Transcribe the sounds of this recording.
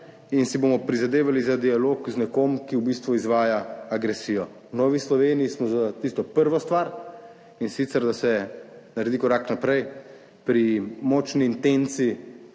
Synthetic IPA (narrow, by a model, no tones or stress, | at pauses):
insibomɔpɾizad̪eːʋalizad̪ialoːkznɛkomkiwbist̪ʋuizʋaːjaaɡɾɛsijɔ | wnɔːʋislɔʋeːnijismɔzat̪ist̪ɔpəɾʋɔst̪ʋaɾ | insit̪sɛɾd̪asɛnaɾɛd̪ikɔɾaknapɾɛj | pɾimɔːt͡ʃniːnt̪ent̪si